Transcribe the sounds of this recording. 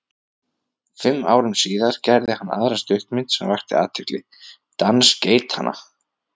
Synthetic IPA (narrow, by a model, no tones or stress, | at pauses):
fɪmːaːwɾʏmsiːðaɾ̥cɛɾðɪhanːa̰ðɾast̪ʏht̪mɪnt̪sɛmvajxt̪ɪ̰a̰ːt̪ʰɪklɪ | t̪ansceːjt̪hanːa̰